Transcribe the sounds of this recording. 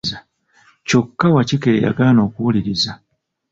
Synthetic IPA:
za | co̞kːawacikeja̰ɡano̞ːkuwuliɾiza

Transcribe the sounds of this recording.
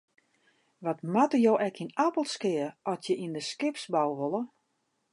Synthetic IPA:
ʋɔtmatəjowʔɛkinapəlˠskɪərʔɔtjəʔindəskɪpsbawʋolˠə

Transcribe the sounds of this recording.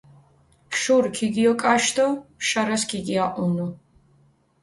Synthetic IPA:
ʃuɾkʰiɡiɔkʼaʃt̪ɔʃaɾaskʰiɡiaʔunu

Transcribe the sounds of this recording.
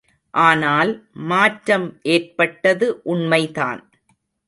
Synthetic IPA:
ʔaːnaːlmaːʈɾɐmʔeːrpɐʈːɐðɯʔʊɳmɐɪða̰ːn

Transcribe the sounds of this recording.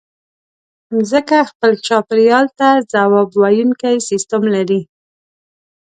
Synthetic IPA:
zəkaxpəlt͡ʃɑpɾjɑlt̪azawɑbwɑjuŋkajsist̪əmlaɾi

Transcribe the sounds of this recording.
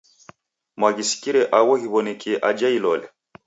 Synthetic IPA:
maɡisi̥kiɾɛʔawɔɦiβɔnɛkʰiʔad͡ʒailɔlɛ̰

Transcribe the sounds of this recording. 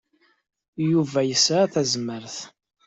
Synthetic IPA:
juvæjəsθæzməɾθ

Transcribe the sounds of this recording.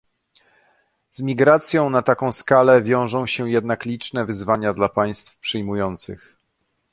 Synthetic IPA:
zmʲiɡɾat̪sʲjɔ̃w̃nat̪akɔ̃w̃skalɛvʲjɔ̃w̃ʐɔ̃w̃ɕɛjɛd̪naklʲit͡ʂnɛvɘzvaɲad̪lapaj̃st̪fpʂɘjmujɔnt̪sɘ̰x

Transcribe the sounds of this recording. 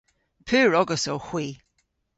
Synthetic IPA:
pʰʉːɹɔɡəsowhwiː

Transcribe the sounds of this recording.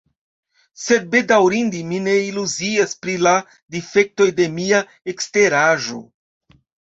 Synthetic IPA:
se̞d̚be̞dawɾindimine̞iluziaspɾila | dife̞k̚to̞jde̞mia | ekste̞ɾaʒo̞̰

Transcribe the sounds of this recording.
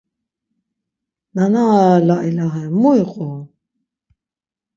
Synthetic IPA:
nanalaʔilaɦɛmujqʼu

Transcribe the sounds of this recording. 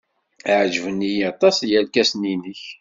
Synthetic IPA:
ʕʒvənːijɑt̪ˤɑsjælkæsninəç

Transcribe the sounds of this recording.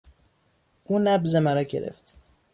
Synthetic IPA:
ʔuːnæbzemæɾɒːɟḛɾḛft̪

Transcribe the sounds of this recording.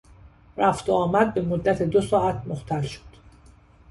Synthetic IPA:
ɾæft̪oɒːmæd̪̚be̞mod̪ːæt̪ʰed̪osɒːæt̪ʰmoht̪ʰælʃo̥d̪̥

